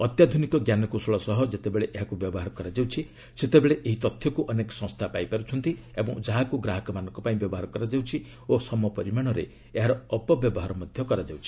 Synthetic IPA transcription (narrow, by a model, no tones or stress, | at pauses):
ɔt̪jad̪ʱunikɔɡjanɔkusɔɭɔsɔɦɔd͡ʒet̪ebeɭeʔeɦakubjɔbɔɦaɾɔkɔɾad͡ʒawt͡ʃʰi | set̪ebeɭeʔeɦit̪ɔt̪ʰjɔkuʔɔnekɔ̥sɔ̃ŋst̪ʰapajpaɾut͡ʃʰɔnt̪i | ebɔ̃ŋd͡ʒaɦakuɡɾaɦɔkɔmanɔ̃ŋkɔpaĩbjɔbɔɦaɾɔkɔɾad͡ʒawt͡ʃʰi | osɔmɔpɔɾimaɽ̃ɔɾḛ | eɦaɾɔːpɔbjɔbɔɦaɾɔmɔd̪ʱjɔkɔɾad͡ʒawt͡ʃʰi̥